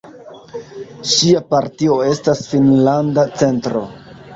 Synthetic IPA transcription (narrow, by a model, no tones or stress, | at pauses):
ʃiapaɾtio̞e̞stasfinlandat͡se̞ntɾo̞̰